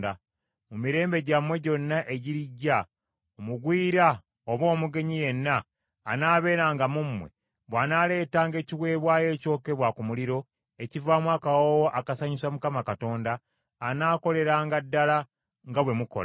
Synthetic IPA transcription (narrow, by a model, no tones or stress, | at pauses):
da | mumiɾe̞ːmbe̞ɟamwe̞ɟo̞nːaʔe̞ɟiɾiɟːa | omuɡwiːɾa | oβo̞ːmuɡe̞ɲije̞nːaː | naːβe̞ːɾaːŋɡamumːwe̞̰ | βwaːnaːle̞ːtaːŋɡe̞ːciwe̞ːβwaːje̞ːco̞ːke̞βwakumuliɾo̞ | e̞civaːmwaːkawowoʔakasaɲisamukamakato̞ːndaː | naːko̞le̞ɾaːŋɡadːala | ŋɡaβwe̞muko̰la